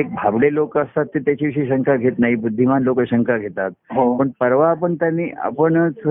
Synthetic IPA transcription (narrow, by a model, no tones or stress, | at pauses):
ek̚bʱablelokəst̪at̪ːet̪jat͡ɕiʋiɕiːɕəŋkaɡʱet̪naɦibud̪ʱːimanlokəɕəŋkʰaɡʱet̪at̪̚ɦopəɳpəɾʋaːpəɳt̪janːiːʔa̰pəɳt͡s